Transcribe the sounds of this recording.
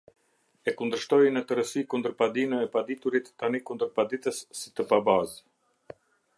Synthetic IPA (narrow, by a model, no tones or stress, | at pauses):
ɛkund̪əɾʃt̪ɔjnət̪əɾəsikund̪əɾpad̪inəɛpad̪it̪uɾit̪ːanikund̪əɾpad̪it̪əsːi̥t̪əpabaz